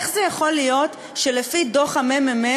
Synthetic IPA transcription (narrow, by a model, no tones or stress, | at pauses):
χzejaχo̞lijo̞t | ʃe̞lefido̞χamemime